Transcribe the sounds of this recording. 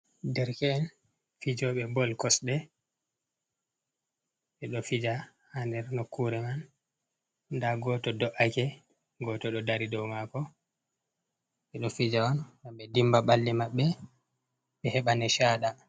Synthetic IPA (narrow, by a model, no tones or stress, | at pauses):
dɛɾkɛːn | fid͡ʒɔɓɛbɔlkɔsɗɛ | ɓɛɗɔfid͡ʒa | handɛɾnokːuɾɛman | daɡɔːtɔdɔʔakɛ | ɡɔtɔɗɔdaɾidɔwmakɔ | ɓɛɗɔfid͡ʒawandaɓɛdimbaɓalːimaɓːɛ | ɓɛhɛɓanɛʃaːɗa